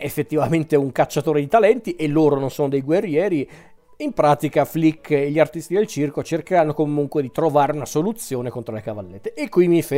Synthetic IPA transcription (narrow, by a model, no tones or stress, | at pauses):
efːet̪ːivament̪euŋkat͡ʃːat̪oːɾed̪it̪alɛnt̪iʔelːoːɾononsoːnod̪ejɡwerːjɛːɾi | impɾaːt̪ikaflikːeʎːiart̪ist̪id̪elt͡ʃirkot͡ʃerkeɾanːokomuŋkwed̪it̪ɾovaːɾeunasolut̪sːjoːnekont̪ɾolekavalːet̪ːeʔekːwimife